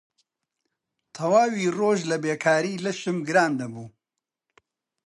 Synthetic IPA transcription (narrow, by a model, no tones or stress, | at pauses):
t̪ʰɐwaːwiːroːʒlɐbeːkʰaːɾiːlɐʃɨmɡɨɾaːnd̪ɐbuː